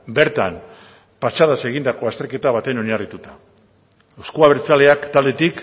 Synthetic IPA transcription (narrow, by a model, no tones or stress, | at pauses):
be̞ɾt̪am | pat͡ʃað̞ase̞ɣ̞ind̪ako̞ast̪eɾke̞t̪aβ̞at̪e̞no̞ɲarit̪ut̪ḁ | eskuaβeɾt͡sale̞akt̪ald̪e̞t̪ik